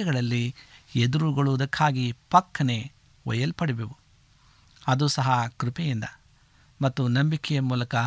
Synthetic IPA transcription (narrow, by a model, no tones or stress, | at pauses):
ɛɡɐɭɐlːied̪uɾuɡɐɭuʋd̪ɐkʰːaːɡipɐkʰːɐne̞ | ɔ̰jɐlpɐɽibeʋu | ɐd̪usɐɦɐkɾupejind̪ɐ | mɐt̪ːunɐmbikɛjɐmuːlɐkɐ